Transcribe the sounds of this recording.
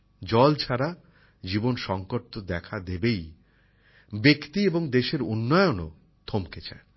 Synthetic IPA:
d͡ʑɔlt͡ɕʰaɾa | d͡ʑibonʃɔŋkoɾt̪od̪ɛkʰad̪ebej | bekt̪ieboŋd̪eʃeɾunːɔjono̰ | d̪ʱomket͡ɕʰa̰en

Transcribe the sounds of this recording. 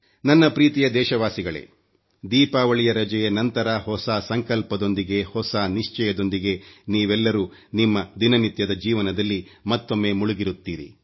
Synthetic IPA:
nɐnːɐpɾiːt̪ijɐd̪ɛːʃɐʋaːsiɡɐɭe̞̰ | d̪iːpaːʋɐɭijɐɾɐd͡ʒɛjenɐnt̪ɐɾɐhɔsasɐŋkɐlpɐd̪o̞nd̪iɡe̞hɔsaːniʂt͡ʃɛjɐd̪o̞nd̪iɡe̞niːʋɛlːɐɾuːnimːɐd̪inɐnit̪jɐd̪ɐd͡ʒiːʋɐnɐd̪ɐlːimɐt̪ːo̞mːe̞ːmuɭuɡiɾut̪ːiːɾḭ

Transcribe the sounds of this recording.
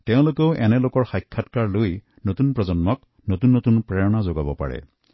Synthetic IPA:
tẽw̃lokeʊʔenelokɔɹxajkʰːatkaɹloj | notunpɹɔzɔnmɔk̚ | notunːotunpɹeɹɔnazoɡabɔpa̰ɹɛ̰

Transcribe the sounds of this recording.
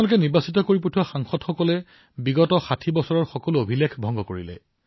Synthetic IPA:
lʊkɛniɹbasitɔkoɹip̬otʰuwaxaŋxɔdxɔkɔlɛ | biɡɔtɔxatʰibɔsɔɹɔɹxɔkɔluobʱilekʰbʱɔ̃ŋɡɔkoɹḭlɛ̰

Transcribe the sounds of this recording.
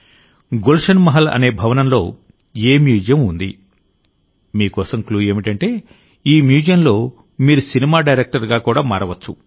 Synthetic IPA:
ɡolʂɐnmɐɦɐlɐ̰ne̞ːbʱɐʋɐnɐmlo̞ː | eːmjuːd͡ʒijɐmund̪ḭ | miːkɔːsɐmkluːe̞ːmiʈɐɳʈe̞ː | iːmjuːd͡ʒjɐmlo̞ː | miːɾusinimaːɖɐjɾek̚ʈɐɾɡaːkuːɽaːmaːɾɐʋɐt͡ʃːṵ

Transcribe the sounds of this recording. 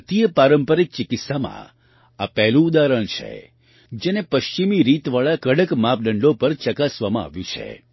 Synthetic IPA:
t̪ijəpaɾəmpəɾik̚t͡ʃɪkɪt̪samã̰ | apɛɦlũːd̪aɾəɳ̃t͡ʃʰḛ | d͡ʒenepəʃt͡ʃimiɾit̪ʋaɭakəɽəkmap̚ʰɖəɳɖopəɾt͡ʃəkasʋamã̰a̰ʋjũt͡ʃʰḛ

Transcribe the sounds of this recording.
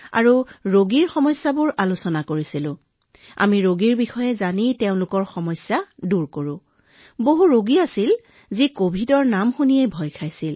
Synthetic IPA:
a̰ɹuɹoɡiɹxɔmɔjsːabʊɹʔalʊsɔnakoɹisilʊ̃ | a̰miɹoɡiɹbixɔjɛzaniteʊ̃nlʊkɔɹxɔmɔjsjaduɹkoɹʊ̃ | boɦuɹoɡiasil | zikobʱidɔɹnamxunijejbʱɔjkʰajsil

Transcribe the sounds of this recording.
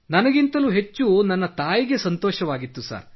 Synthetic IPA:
nɐnɐɡint̪ɐluɦe̞t͡ʃːunɐnːɐt̪aːjiɡe̞sɐnt̪ɔːʃɐʋaːɡit̪ːusa̰ːɾ

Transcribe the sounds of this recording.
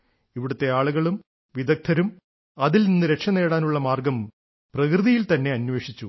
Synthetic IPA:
iʋiɽut̪ːe̞aːɭuɣɐɭum | ʋid̪ɐk̚t̪ʰːɐɾum | ɐðilninːuɾe̞kʂɐne̞ːɽaːnuɭːɐmaːrɡɐm | prɐkrɨðijilt̪ɐnːe̞ɐnwe̞ːʂit͡ɕːu

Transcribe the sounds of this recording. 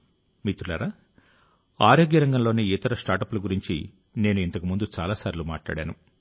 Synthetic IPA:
mit̪ulɐ̰ɾa | aːɾoːɡjɐɾɐŋɡɐmlo̞ːneːit̪ɐɾɐsʈaːʈɐpuluɡuɾiɲt͡ʃi | ne̞ːnuint̪ɐkumund̪ut͡ʃaːlaːsaːɾilumaːʈla̰ːɽa̰ːnṵ

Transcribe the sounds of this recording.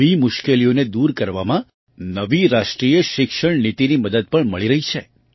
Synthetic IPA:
imʊʃkelijoned̪uɾkəɾʋamã | nəʋiɾaʃʈɾijəʃɪkʃəɳnit̪iniməd̪əd̪̚pəɳməɭiɾəɦit͡ʃʰe

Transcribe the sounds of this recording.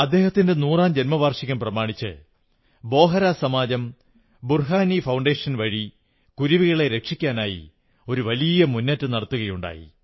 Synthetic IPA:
ɐd̪ːe̞ːhɐt̪ːinde̞nuːraːmd͡ʑenmɐʋaːrʂiɣɐmprɐmaːɳit͡ɕːɨ̰ | bo̞ːɦɐɾaːsɐmaːd͡ʑɐm | burɦaːnifɐwɳɖeːʂɐnʋɐɻi | kuɾuʋiɣɐɭe̞ɾe̞kʂikʲːaːnaːjḭ | o̞ɾuʋɐlijɐmunːɐtːɨnɐɽɐt̪ːuɣɐjuɳɖa̰ːjḭ

